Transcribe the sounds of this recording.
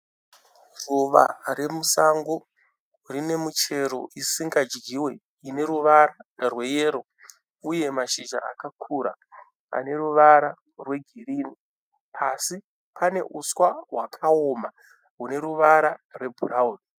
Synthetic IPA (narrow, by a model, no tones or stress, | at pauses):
ruʋa̰re̞musaŋɡo | rine̞mut͡ʃe̞ɾo̞̰ʔisiŋɡad͡ʒɡiwe̞ | ine̞ɾuʋaɾarwe̞je̞ːɾo̞ | uje̞maʃiʒa̰a̰kakʰuɾa̰ | a̰ne̞ruʋaɾa | rwe̞ɡʱiriːni | asi | pane̞̰ʔuswawakʰaoma | ɦune̞ɾuʋaɾarwe̞bʱurauːni